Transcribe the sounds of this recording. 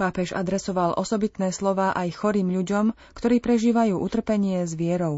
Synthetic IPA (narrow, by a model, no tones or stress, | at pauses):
paːpɛʒa̰d̪ɾɛsɔʋalʔɔsɔbit̪nɛːslɔʋaːʔajxɔɾiːmʎuɟɔm | kt̪ɔɾiːpɾɛʒiːʋajuːʔut̪r̩pɛɲɪɛzʋɪɛɾɔʊ